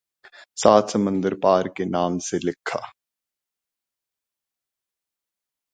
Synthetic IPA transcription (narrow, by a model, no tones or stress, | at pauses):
saːt̪səmə̃nd̪əɾpaːɾkenaːmselɪkʰːa̰ː